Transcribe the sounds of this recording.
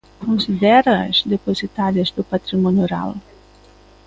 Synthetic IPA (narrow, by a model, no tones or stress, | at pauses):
kõsid̪ɛɾɐɐ̰zd̪epozit̪aɾiɐzd̪ʊpat̪ɾimõnjoɾa̰l